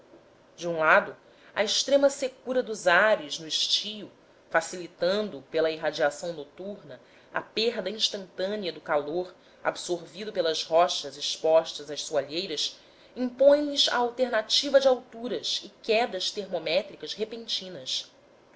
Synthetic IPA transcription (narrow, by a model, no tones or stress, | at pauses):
d͡ʒɪũlad̪ʊ | ɐɪʃt̪ɾẽmɐsekuɾɐd̪ʊzaɾɪznʊɪʃt͡ʃijʊ | fasilit̪ɐ̃nd̪ʊpelɐiɦad͡ʒiasɐ̃w̃not̪uɾnɐ | ɐ̰peɾd̪ɐĩʃt̪ɐ̃nt̪ɐ̃niɐd̪ʊkaloɾ | a̰bsoɾvid̪ʊpelɐzhɔʃɐzɪʃpɔʃt̪ɐzɐʃsuaʎejɾɐs | ĩŋpõj̃liza̰awt̪eɾnat͡ʃivɐd͡ʒɪawt̪uɾɐsɪkɛd̪ɐʃt̪eɾmomɛt̪ɾikɐzhepẽnt͡ʃĩnɐs